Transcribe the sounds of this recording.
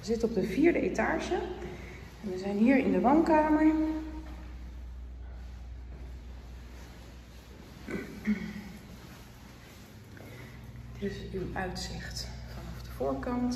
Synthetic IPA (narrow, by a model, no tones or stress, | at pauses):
əzɪtəɔb̚dəviːɹdəʔeta̰ːɹʒə | ɛnʋəzɛjnɦiːɹɪndəʋownkaːməɹ | tɪsywœɥtsɪχtfɑnɑfdəv̥ʊːɹkɑnt